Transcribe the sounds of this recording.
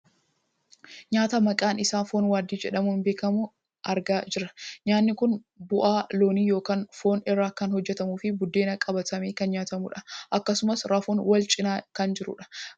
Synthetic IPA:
ɲaːt̪ɐmɐkʼaːnɪsaːfo̞ːnwaːd̪iːd͡ʒɛ̰ᶑɐmuːnbe̞ːkɐmʊ | ʔɐɾɡaːd͡ʒɪɾɐɲaːnːɪkʊn | bʊʔaːlo̞ːniːjo̞ːkaːnfo̞ːnɪrːaːkɐnhɔd͡ʒːɛt̪ɐmuːfɪbʊd̪ːe̞ːnɐkʼɐbɐt̪ɐmeːkɐnɲaːt̪ɐmʊ̰ᶑɐʔɐkːɐsʊmɐsɾɐfoːnwɐlt͡ʃʼɪnaːkɐnd͡ʒɪɾʊ̰ᶑɐ̥

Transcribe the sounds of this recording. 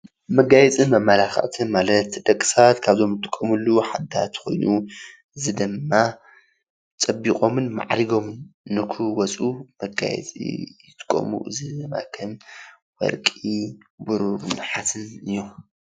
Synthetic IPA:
mɐɡajɛt͡sʼimɐmːɐlaxɐ̰ʔt̪ʰɨmalɐt̪d̪ɐkʼːɨ̥sat̪kʰaβzo̞mjɨt̪ʰʼːɨkʼːomulːuħad̪at̪xo̞̰jnu | ʔɨzɨd̪ɨmːa | t͡sʼɐbiqʼo̞mɨnma̰ʕɾiɡo̞mɨnːɨkʰuwɔt͡sʼumɐɡa̰jɛ̰t͡sʼḭjɨt̪ʰɨ̥kʼːo̰mṵʔɨzɨd̪ɨmːa̰kʰɐm | wɔ̰lkʼibuɾubɨnħat̪ʰɨnɨjːo

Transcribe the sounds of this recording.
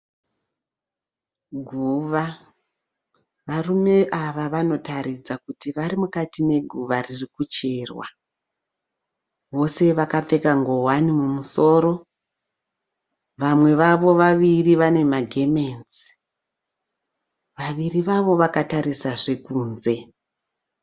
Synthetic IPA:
ɡʱuʋa | ʋarume̞ʔaʋaʋano̞taɾid͡zakutiʋaɾimukatime̞ɡʱuʋaririkut͡ʃe̞rwa̰ | ʋo̞se̞ʋakap͡fe̞kaŋɡo̞wanimumuso̞ːɾo̞ | ʋamwe̞ʋaʋo̞ʋaʋiriʋane̞maɡʱe̞me̞nzi̥ | ʋaʋiriʋaʋo̞ʋakataɾisaʐe̞kuːnze̞

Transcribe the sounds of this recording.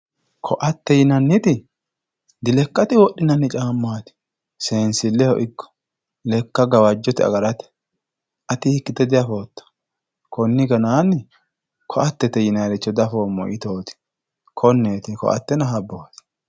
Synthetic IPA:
kʰɔʔɐt̪ːɛjɪnɐnːɪt̪ɪ | d̪ɪlɛkːɐt̪ɪwɔʔːɪnɐnːɪt͡ʃʼaːmːaːt̪ɪ̥ | se̞ːnsɪlːɛhɔʔɪkːɔ̥ | lɛkːɐɡɐwɐd͡ʒːɔt̪ɪɐ̰ɡɐɾɐt̪ɛ̥ | ʔɐt̪ɪhɪkːɪt̪ɛd̪ɪjɐfoːt̪ːɐ̥ | kɔnːɪɡɐnaːnːɪ | kʰɔʔɐt̪ːɛt̪ɛjɪnaːɾɪt͡ʃːɔd̪ɐfoːmːɔ̰ʔɪt̪o̞ːt̪ɪ̥ | kʰɔnːeːt̪ɪkɔ̰ʔɐ̰t̪ːɛnɐɦɐbːoːt̪ɪ̥

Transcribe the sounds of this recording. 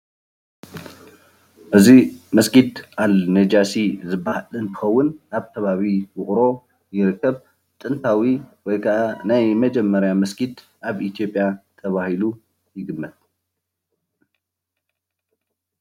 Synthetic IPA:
ʔɨzimɐsɡid̪ʔalned͡ʒasizɨbːahlɨnt̪ʰɨ̥xɐwːʊnaβt̪ʰɐβaβiwʊχʼɾo̞ | jɪɾɨkʰːɐβ | t̪ʼɨnt̪ʰawiwɔjkʰɐʔanajmɐd͡ʒɛmːɐɾjamɐsɡid̪ | ʔaβit̪ʰijo̞pʼjat̪ʰɐβahilu | jɪɡɨmːɨt̪

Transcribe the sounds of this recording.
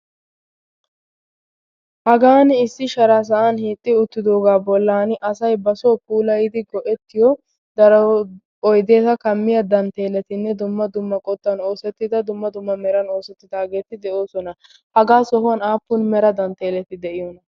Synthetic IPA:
hɐɡaːnɪsːɪʃɐɾaːs̬ɐʔɐnhiːt̪ʼːɪʊt̪ːɪd̪o̞ːɡaːbɔlːaːnʔɐsɐjbɐsoːpuːlɐjɪd̪ɪɡɔʔɛt̪ːɪjɔ | d̪ɐɾɐw | ɔjd̪e̞ːt̪ɐkɐmːɪjɐd̪ɐnt̪e̞ːlɛt̪ɪnːɛd̪ʊmːɐd̪ʊmːɐkʼɔt̪ʼːɐno̞ːsɛt̪ːɪd̪ɐd̪ʊmːɐd̪ʊmːɐmɛɾɐno̞ːsɛt̪ːɪd̪aːɡe̞ːt̪ɪd̪ɛʔo̞ːsɔnɐ | hɐɡaːsɔhʊwɐnaːpːʊnmɛɾɐd̪ɐnt̪e̞ːlɛt̪ɪd̪ɛʔɪjɔnɐ

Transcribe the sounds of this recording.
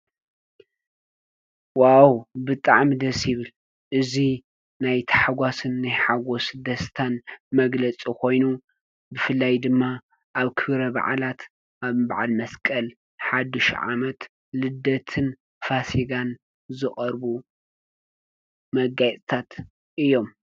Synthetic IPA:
wawbɨt̪ʼaʕmid̪ɐsjɪβɨl | ʔɨzi | najt̪ʰḁħaɡʷwasɨnːajħaɡo̞sd̪ɐst̪ʰanmɐɡlɐt͡sʼikʰo̞jnu | bɨfɨlːajd̪ɨmːa | ʔaβkʰɨβɾɐβa̰ʕalat̪ | ʔaβbaʕalmɐskʼɐl | ħad̪ɨʃʕa̰mɐt̪ | lɨd̪ɐt̪ʰɨn | fasiɡan | zɨχʼɐɾbu | mɐɡajt͡s̪ʼt̪ʰat̪ | ʔɨjːo̞m

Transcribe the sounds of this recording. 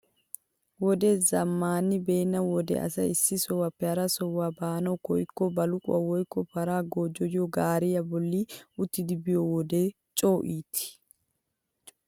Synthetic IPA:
wɔd̪ezɐmːaːnɪbeːnːɐwɔd̪ɛ̰ɐ̰sɐɪsːɪsɔwːɐpːɛɐɾɐsɔwːaːbaːnɐwkɔ̰jkːɔbɐlʊkʼʊ̰ɐwɔjkːɔpɐɾaːɡoːd͡ʒɔjɪɔɡaːɾɪjɐbɔlːiʊt̪ːɪd̪ɪbɪjɔwɔd̪e | t͡ʃʼo̞ːʔiːt̪ɪ̥

